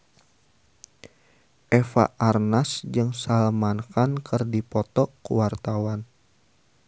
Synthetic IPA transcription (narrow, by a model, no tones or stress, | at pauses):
ʔɛfa̰ʔarnasd͡ʒɨŋsalmankankʰɨrdipɔt̪ɔkuwart̪awan